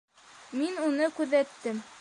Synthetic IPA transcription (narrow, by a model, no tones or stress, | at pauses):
minunɤkʉðæt̪ːɘm